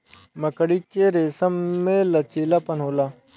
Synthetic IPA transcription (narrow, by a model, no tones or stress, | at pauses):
məkəɽiːkeɾeːsəmːẽːlɐt͡ʃeːlaːpənɦoːlaː